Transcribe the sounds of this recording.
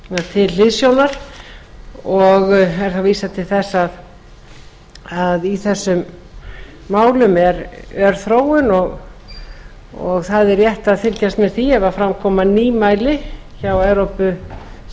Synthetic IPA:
at̪ʰɪllɪðsjoːwnaɾ̥ | ɔɣɛɾ̥θawviːsat̪ʰɪlθɛsːað | aðiθɛsːʏmː | aːwlʏmɛɾœɾ̥θɾoːwʏnɔɣ | ɔ̰ɣθaðɛɾjɛht̪aðfɪlcast̪mɛɾ̥θiavaðfɾamkʰɔːmaniːmaːjlɪ | çawɛwɾowpʏ

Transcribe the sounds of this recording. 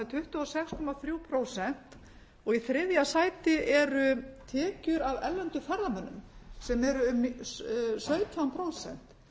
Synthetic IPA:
t̪ʰʏht̪ʏɔsɛkskʰɔmaθɾjuwpʰɾoːwsɛn̥t̪ | ɔɣiθɾɪðjasaːjt̪ɪʔɛɾʏt̪ʰɛːcʏɾavɛllːɛnt̪ʏfɛɾamɛnːʏ̰msɛmɛɾʏʏm | sœːɥt̪ʰampʰɾow̪sɛ̰n̥t̪

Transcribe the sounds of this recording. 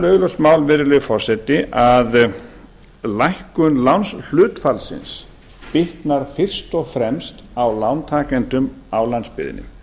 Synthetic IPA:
lœːɣlɔsmaːwlvɪɾlɪfɔr̥sɛt̪ɪʔað | lajhkʏnlawnsl̥ʏːt̪falsɪ̰ns | pɪht̪naɾ̥fɪr̥st̪ɔɣfɾɛmst̪awlawnt̪ʰaːkɛnt̪ʏmawlanspɪ̰ːðɪ̰nːɪ̰

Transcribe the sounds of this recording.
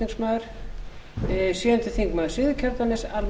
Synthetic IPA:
iŋksmaːðʏɾ̥ | siːðɛnt̪ɪθiŋkmaːðʏ̥sɪðʏcʰaɾt̪anɪsal

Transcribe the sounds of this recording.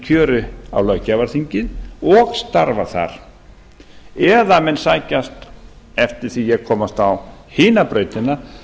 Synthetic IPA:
cʰœːɾʏa̰wlœɥcːavaɾθiɲcɪðɔɣst̪aɾvaθa̰ɾ̥ | ɛðamɛnsaːjcast̪ | ɛft̪ɪɾ̥θijɛɣkʰɔːmast̪awhɪːnapɾœːɥjt̪ɪna

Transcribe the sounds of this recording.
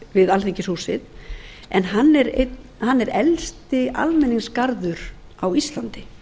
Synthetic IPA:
vɪðalθeɲcɪshuːsɪð | ɛnɦanːɛɾḛt̪ | hanːɛɾɛlst̪ɪʔa̰lmɛniŋskaɾðʏɾ̥ | awist̪lant̪ɪ

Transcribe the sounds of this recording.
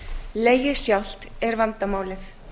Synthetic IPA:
leːjɪ̥sjawl̥t̪ɛɾvant̪amaːwlɪθ

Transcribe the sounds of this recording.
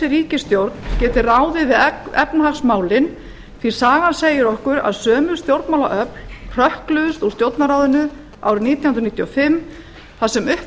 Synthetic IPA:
ɪɾiːcɪst̪jowɾt̪ncɛːt̪ɪraːwðɪðvɪðɛ̰pnahaxsmaːwlɪn | θi̥saːɣanseːjɪɾɔhkʏɾa̰ðsœːmʏɾ̥st̪jowɾt̪mawla̰ʔœplʰr̥œhklʏðʏst̪ust̪jowɾt̪naɾaːwðɪnʏ | a̰ːwɾɪniːt̪jnnɾniːt̪jɔfɪm | θasɛmʏh

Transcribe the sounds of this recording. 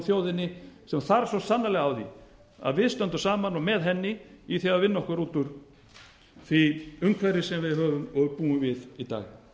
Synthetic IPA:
θjoːwðɪnːɪsɛmθaɾsɔsanːalɛɣawðḭ | a̰ðvɪðst̪œnt̪ʏ̥saːmanɔmɛðɦɛnːɪiθaɣaðvɪnːɔhkʏɾuːt̪ʏɾ̥ | θviʏŋkʰvɛɾɪsɛmvɪðɦœːvʏmɔɣpuːʏmvɪðit̪a̰ːɣ

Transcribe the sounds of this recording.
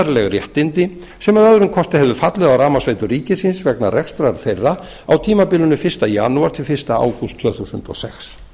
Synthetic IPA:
ɾlɛɣrjɛht̪ɪnt̪ɪ | sɛmaðœðɾʏmkʰɔst̪ɪðhɛvðʏfat̪lɛðawraːmasvejt̪ʏriːcɪsɪnsvɛknarʔɛkst̪ɾaɾ̥θejrːa | awt̪ʰiːmapɪlʏnʏfɪr̥st̪aja̰nuaɾt̪ʰɪlfɪr̥st̪aa̰ːwkʏst̪ʰvœːθusʏ̰nt̪ɔ̰sɛxs

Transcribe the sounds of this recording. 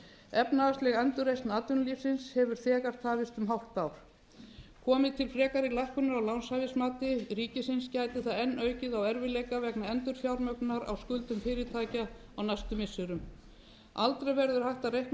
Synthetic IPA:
ɛpnaast̪lɛɣɛnt̪ʏrejst̪naːt̪ʏnliːfsɪnshɛvʏɾ̥θɛːɣaɾ̥t̪ʰaːvɪst̪ʏmɦawt̪pawɾ̥ | kʰɔːmɪðt̪ʰɪlfɾɛːkaɾɪlajhkʏnʏɾawlawnsavɪsmaːt̪ɪriːcɪsɪnscaːjt̪ɪθaðɛnːœːɥcɪðawɛɾvɪlɛjkavɛknaɛnt̪ʏɾ̥θjawɾmœknaɾa̰wskʏlt̪ʏmfɪːɾɪt̪ʰaːjca | awnajst̪ʏmɪsːʏɾʏm | alt̪ɾejvɛɾðʏɾ̥hajht̪arejhkn

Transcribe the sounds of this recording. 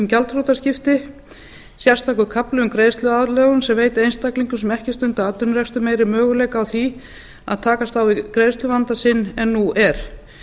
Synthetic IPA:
mcalt̪ɾowt̪ascɪft̪ɪ | sjḁst̪ʰawkʏkʰaplʏʏmkɾeːjst̪lʏaðlɛːɣʏnsɛmveːjt̪ɪejnst̪akliŋkʏsɛmɛhcɪst̪ʏnt̪aat̪ʏnɾɛkst̪ʏmeːjɾɪmœːɣʏleːjkaːwθi | aðt̪ʰaːkast̪θawikɾeːjst̪lʏvant̪asɪnːɛnːuʔɛɾ̥

